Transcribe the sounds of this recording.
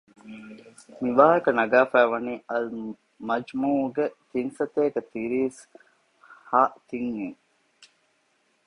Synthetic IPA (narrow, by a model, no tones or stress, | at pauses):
miʋaːɦɐkɐnɐɡaːfæːʋɐniːɐl | mɐd͡ʒmuːɡet̪insɐt̪eːket̪iɾiːs | haːt̪iŋːiŋ